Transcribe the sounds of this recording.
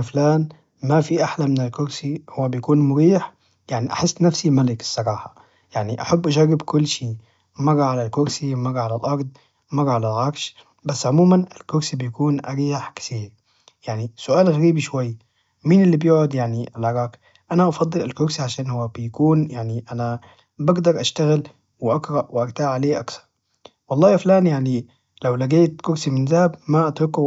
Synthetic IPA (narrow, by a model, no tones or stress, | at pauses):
flaːn | mafiʔaħlamɪnɪlkʊɾsihʊwːabjakuːnmʊɾiːħ | jaʕniʔa̰ħɪsːnafsimalɪkɪ̥sˤːɑɾˤɑːħa | jaʕniʔa̰ħabːʔaʒarːɪbkʊlːʃiː | mɑɣˤːaʕalalkʊɾsimɑɣːaʕalalʔɑɾˤd̪ˤ | mɑɣːaʕalalʕɑɾʃ | basːʕʊmuːmanɪlkʊɾsibjakuːnʔaɾiːħkɪ̥θiːɾ | jaʕnisʊʔaːlɣaɾiːbiʃwajː | minɪlːibjuːʕʊd̪jaʕniʔalʕɑɾˤɑːk | ʔanaʔɑfɑd̪ˤːɨlalkʊɾsiʕaʃaːnhʊwːabjakuːnjaʕniʔana | baɡd̪ɑɾˤʔaʃt̪aɣɪl | wɪʔaɡɾɑʔwɪʔaɾt̪aːʕaleːʔakθɑ̥ɾˤ | wɑlˤːɑːʔaflaːnjaʕni | lawlaɡeːt̪kʊɾsimɪnzahabmaʔat̪ɾɪku